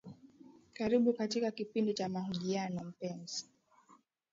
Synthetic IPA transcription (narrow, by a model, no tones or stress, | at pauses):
kaɾiɓukatikakipindit͡ʃamahuʄianɔm̩pɛnzi̥